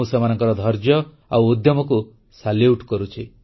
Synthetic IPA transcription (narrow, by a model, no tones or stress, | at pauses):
semanɔŋkɔɾɔd̪ʱɔɾd͡ʒjɔ | awod̪jɔmɔku | saljuʈkɔɾut͡ʃʰi